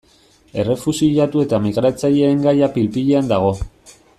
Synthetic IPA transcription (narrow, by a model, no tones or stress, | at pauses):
e̞re̞fusiʎat̪ue̞t̪amiɣɾat͡saʎe̞ːŋɡajapilpiʎe̞and̪aɣ̞o̞